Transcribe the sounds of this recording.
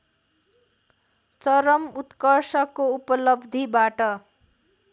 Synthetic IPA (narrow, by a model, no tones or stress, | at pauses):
t͡sʌɾʌmut̪kʌrsʌkoupʌlʌbd̪ʱibaʈʌ